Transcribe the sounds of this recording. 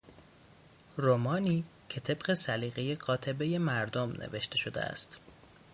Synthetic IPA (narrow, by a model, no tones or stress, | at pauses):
romɒːniː | cʰe̞t̪ʰe̞bɢe̞sæliːɣejeɢɒːt̪ʰe̞be̞je̞mæɾd̪omnʔḛve̞ʃt̪e̞ʃo̞d̪ḛæ̰st̪